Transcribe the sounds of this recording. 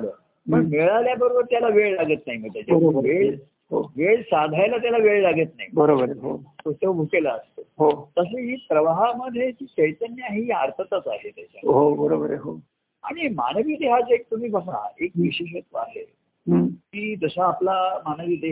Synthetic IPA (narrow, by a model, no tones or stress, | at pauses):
ɽə | məɡmeɭaljabəɾobəɾt̪jalaʋeɭlaɡət̪naɦiməɡt̪at͡ɕaəoəʋeɭ | ɦoʋeɭsad̪ʱajlat̪̬jalaʋeɭlaɡət̪naɦibəɾobəɾɦot̪ot̪eʋobʱukelaəst̪oɦot̪əs̬eɦiːpɾəʋaɦaməd̪ʱjekiːt͡ɕəjt̪ənjaɦiːaɾt̪ʰət̪at͡saɦet̪jat͡ɕaɦobəɾobəɾɦo | a̰ɽ̃ima̰nəʋiːd̪eɦat͡sek̚t̪um̤iːbəɡʱa̰ekʋiɕeɕ̬ət̪ʋaɦe | ɦkiːd͡zəsaːplamanəʋiːd̪e